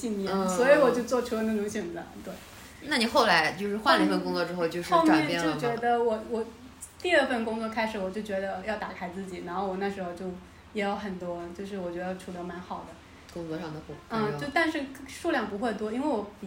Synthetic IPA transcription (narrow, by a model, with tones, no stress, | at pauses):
i˥˩ŋ˧˥swɔ˧˥i˧˥wɔ˨˩t͡ɕjo˥˧ʊt͡swɔ˥˧˩ʈ͡ʂʰu˥lə˧na˥˩ʈ͡ʂʊ˧˥ŋɕɥɛ˨˩nt͡sa̰˧˥˦nt̪we˥˩ɪ | na˥˩ni˨˩xo˥˩ʊla˧˥ɪt͡ɕjo˥˧ʂɻ̩˥˧xwa˥˩nlə˨i˧˥fə˧nkʊ˥ŋt͡swɔ˥˧ʈ͡ʂɻ̩˥xo˥˧ʊt͡ɕjo˥˧ʊʂɻ̩˥xo˥˧ʊʈ͡ʂa˧˥ɛ˥˧jɛ˥t͡ɕjo˥˩ʊt͡ɕɥɛ˧˥d̪ə˧wɔ˨˩wɔ˨˩ | t̪i˥˧ə˞˥˧fə˥˩nkʊ˥ŋt͡swɔ˥˩kʰa˥ɪʂɻ̩˧˥wɔ˨˩t͡ɕjo˥˩ʊt͡ɕɥɛ˧˥d̪ə˧jɑ˥˩ʊt̪a˨˩kʰa˥ɪt͡sɹ̩˥˩t͡ɕi˨˩na˧˥nxo˥˩ʊwɔ˨˩na˥˩ʂɻ̩˧˥xo˧ʊt͡ɕjo˥˩ʊ | jɛ˧˥jo˧˥ʊxə˨˩nt̪wɔ˥t͡ɕjo˥˧ʊʂ̬ɻ̩˥˩wɔ˨˩t͡ɕɥd̪ə˧jʈ͡ʂʰu˧˥lo˧˥ma˧˥nxɑ˨˩ʊd̪ə˦ | kʊ˥ŋt͡sɔ˧ʂɑ˥˩ŋd̪ə˩pu˨˩˥t͡ɕo˥˧ʊt̪a˥˧nʂɻ̩˥˧ʂu˥˧ljɑ˥˩ŋpu˧˥xwe˥˩ɪt̪wɔ˥i˥nwe˥˩ɪwɔ˧˥p